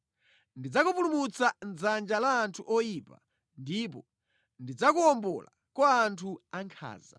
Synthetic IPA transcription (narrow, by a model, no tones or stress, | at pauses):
ndid͡zakupulumut͡sanzand͡ʒalaːntʰuʔɔjiːpa̰ | ndip̬ɔ | ndid͡zakuɔmbɔ̰la̰ | kwaːntʰuaŋkʰa̰ːza̰